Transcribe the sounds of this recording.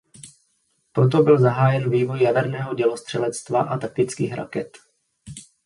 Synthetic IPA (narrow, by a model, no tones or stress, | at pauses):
pɾo̞t̪̬o̞bɪlzaɦaːjɛnviːvo̞jːavɛɾnɛːɦoɟɛlo̞st̪r̝̥ɛlɛt͡st̪va̰ʔat̪ak̚t̪ɪt͡skiːxɾa̰kɛt̪